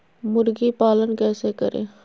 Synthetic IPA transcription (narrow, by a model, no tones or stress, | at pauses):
mʊɾɡipaːlənkɛːsekə̰ɾḛ̃ː